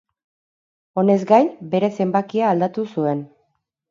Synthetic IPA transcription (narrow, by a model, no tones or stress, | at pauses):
o̞ne̞zɡajbe̞ɾe̞se̞mbakiaːld̪at̪usue̞n